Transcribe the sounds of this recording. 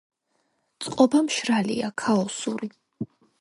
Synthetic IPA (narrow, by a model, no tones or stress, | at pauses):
t̪sʼqʼɔbamʃɾalḭakʰaɔsuɾi